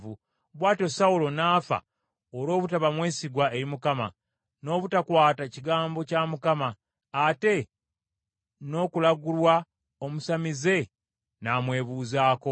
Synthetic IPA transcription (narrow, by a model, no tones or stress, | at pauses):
vu | βwaːto̞saulo̞naːfa̰ | oɾo̞ːβutaβamwe̞ːsiɡwae̞ɾimukama̰ | no̞ːβutakwaːtaciɡaːmbo̞camukamaː | te̞ | no̞ːkulaɡulwa | o̞musamize̞ | namwe̞ːβuːzaːko̞